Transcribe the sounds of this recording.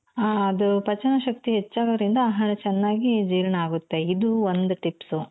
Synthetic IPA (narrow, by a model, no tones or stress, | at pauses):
aɐd̪upɐt͡ʃɐnɐʃɐk̚t̪iɦet͡ʃːaːɡɐɾind̪ɐːɦɐɭɐt͡ʃɛnːaːɡid͡ʒiːɾɐɳɐaːɡut̪ːe̞id̪uʋond̪uʈipsu